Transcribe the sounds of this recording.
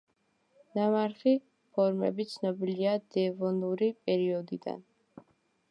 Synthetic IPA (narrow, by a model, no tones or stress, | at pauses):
namaɾχi | pʰɔɾmɛ̰bit̪sʰnɔbiliad̪̥ɛːvɔnuɾipʼɛɾiɔd̪id̪a̰n